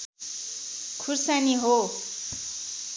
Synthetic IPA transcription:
kʰursaniɦo

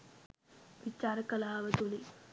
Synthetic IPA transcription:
ʋit͡ʃːaːɾɐkɐlaːʋɐt̪uli

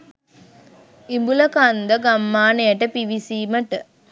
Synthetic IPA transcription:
imbulɐkand̪ɐɡɐmːaːnejɐʈəpiʋisiːməʈə

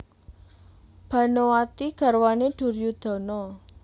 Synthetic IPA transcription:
b̥ä̤nowat̪iɡ̥a̤rwaneɖ̪̥ṳrjud̪̥ɔ̤nɔ

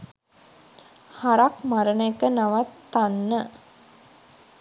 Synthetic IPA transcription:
haɾakmaɾənəekənaʋat̪ːanːə

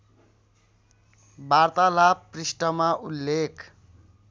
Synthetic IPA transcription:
bart̪alapprisʈʌmaulːekʰ

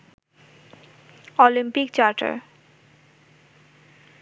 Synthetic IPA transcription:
olimpikt͡ɕaɾʈa̰ɾ

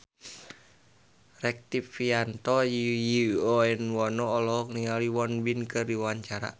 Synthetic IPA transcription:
rɛk̚t̪ipfiant̪ɔjjiɔɛnwɔnɔːlɔɦɔkniŋaliwɔnbinkɨrdiwaɲt͡ʃaɾa̰

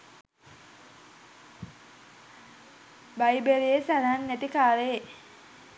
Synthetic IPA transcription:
bajbeɾijesad̪anːæt̪ikaːɾe

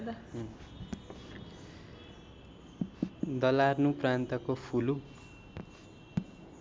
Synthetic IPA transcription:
d̪ | d̪ʌlarnũprant̪ʌkopʰulu

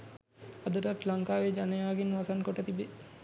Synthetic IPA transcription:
ad̪əɾat̪laŋkaːʋed͡ʒanejaːɡinʋasankoʈət̪ibe

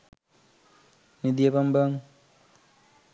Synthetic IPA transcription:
nid̪ijɐpɐmbɐŋ

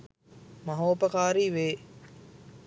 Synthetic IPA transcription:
mɐɦoːpɐkaːɾiːʋeː

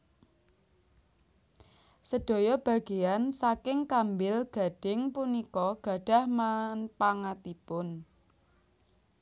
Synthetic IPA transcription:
səɖ̥o̤jɔb̥a̤ɡ̥e̤ansakɪŋkambɪlɡ̥a̤ɖ̥ɪŋpunikɔɡ̥ä̤ɖ̥a̤hmanpaŋat̪ipʊn

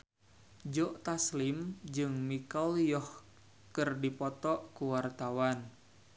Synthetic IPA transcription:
d͡ʒɔʔt̪aslimd͡ʒɨŋmikɔljɔh | kɨrdipɔt̪ɔʔkuwart̪awan

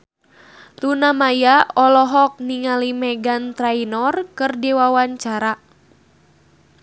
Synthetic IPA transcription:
lunamajaɔlɔɦɔk̚niŋalimɛɡant̪ɾainɔrkɨrdɛwawaɲt͡ʃaɾa

